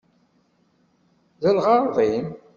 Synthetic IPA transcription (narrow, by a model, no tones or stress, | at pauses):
ðəlʁɑʁim